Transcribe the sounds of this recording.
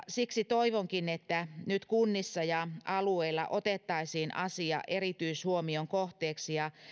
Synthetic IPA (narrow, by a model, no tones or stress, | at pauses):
siksit̪oiʋoŋkinet̪ːænyt̪kunːisːɑjɑɑlueilːɑ̰ʔot̪et̪ːɑisiːnʔɑsiɑ̰ʔerit̪yishuomioŋkoht̪eːksijɑ